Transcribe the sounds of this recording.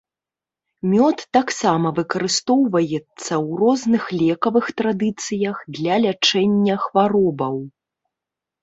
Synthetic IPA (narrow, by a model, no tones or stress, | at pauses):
mʲɔt̪ːaksamɐvɨkɐɾɨst̪ɔwvɐjɛt̪sːɐwrɔznɨxlʲɛkɐvɨxt̪ɾad̪ɨt̪sɨjɐxd̪lʲɐlʲat͡ʂɛnʲːɐxvaɾɔbɐw